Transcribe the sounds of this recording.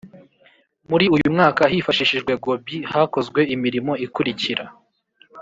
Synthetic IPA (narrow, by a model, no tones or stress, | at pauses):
muɾiujumŋaːkaɦifaʃiʃiʒɡwe̞ɡo̞bihako̞zɡwe̞imiɾimo̞ikuɾiciɾa